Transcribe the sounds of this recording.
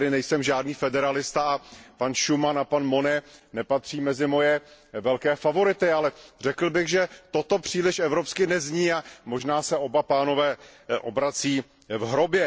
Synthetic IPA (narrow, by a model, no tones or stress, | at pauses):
ɾɪnɛjsɛmʒaːdniːfɛdɛɾalɪst̪aapanʃumanapanmo̞nɛnɛpat̪r̝̥iːmɛzɪmo̞jɛvɛlkɛːfavo̞ɾɪt̪ɪalɛrɛkl̩bɪɣʒɛt̪o̞t̪o̞pr̝̥iːlɪʃɛvɾo̞pskɪnɛzɲiːamo̞ʒnaːsɛo̞bapaːno̞vɛːʔo̞̰bɾat͡siː | vɦɾobjɛ